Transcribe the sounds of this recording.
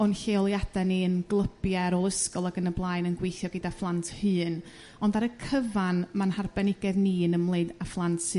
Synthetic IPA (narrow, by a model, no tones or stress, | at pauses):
ɔnɬeɔlˠjad̥ɛniənɡlˠəbjɛɾɔlˠəskɔlˠaɡənəblˠajnənɡwejθjɔɡədaflˠantʰhɨːn | ɔndaɾəkʰəvanmanharbɛnɪɡɛðniənəmlˠeɨdaflˠantʰsɨ